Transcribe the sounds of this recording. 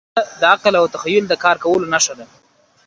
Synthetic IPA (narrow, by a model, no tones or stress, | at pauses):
d̪əaqlawt̪axajːʊld̪əkɑɾkawəlonaʃad̪a